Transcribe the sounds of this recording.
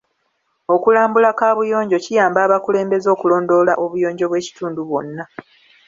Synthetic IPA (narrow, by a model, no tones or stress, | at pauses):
o̞kulaːmbulakaːβujo̞ːɲɟo̞cijaːmbaːβakule̞ːmbe̞zo̞ːkulo̞ːndo̞ːlaʔo̞βujo̞ːɲɟo̞βwe̞ːci̥tuːnduβwo̞̰nːa